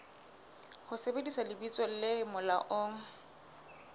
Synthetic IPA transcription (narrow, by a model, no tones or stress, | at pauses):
hʊsebedisalɪbit͡sʼɔlɪmʊla̰ʔoŋ̩